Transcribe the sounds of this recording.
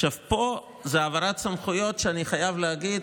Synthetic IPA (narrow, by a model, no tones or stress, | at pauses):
ʃavpo̞ | zeavaʁatt͡samχujo̞tʃeaniχajavleaɡid̪